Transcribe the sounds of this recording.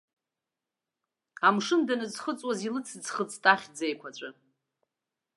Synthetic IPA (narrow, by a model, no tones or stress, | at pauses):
amʂɨndanɨzχət͡sʼwazilɨt͡sʰd͡zχət͡sʰʼtʼaχʲd͡zejkʷʰat͡ʃʷʼɨ